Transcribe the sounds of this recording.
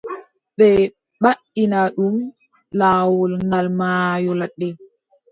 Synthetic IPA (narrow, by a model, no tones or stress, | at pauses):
ɓɛ | ɓa | inaɗum | lawɔlŋɡalmaːjɔlaɗːɛ